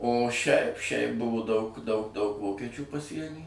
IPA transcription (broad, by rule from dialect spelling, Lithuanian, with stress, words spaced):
oː ʃʲɛɪp ʃʲɛɪp ˈbʊʋʊ dɐʊk dɐʊk dɐʊk ˈʋoːkʲɛt͡ʃʲuː pɐˈsʲiɛnʲiː